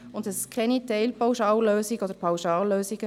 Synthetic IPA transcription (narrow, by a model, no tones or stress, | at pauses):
ʊndɛskʰʁɛnitɛɪlpawʃɑːløːsiɡəɔdəɾpʰawʃɑːlːøːsiɡə